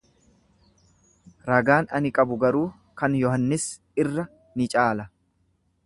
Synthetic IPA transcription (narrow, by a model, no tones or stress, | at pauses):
ɾɐɡaːnɐnɪkʼɐbʊɡɐɾuː | kɐnjɔɦɐnːɪs | ɪrːɐ | nɪt͡ʃʼaːlɐ